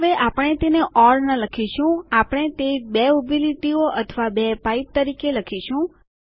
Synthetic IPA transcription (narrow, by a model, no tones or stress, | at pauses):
ʋeʔapəɽ̃et̪eneʔɔɾnələkʰiʃũapəɽ̃et̪ebeubʱiliʈioʔət̪ʰəʋabepaip̚t̪əɾikeləkʰiʃũ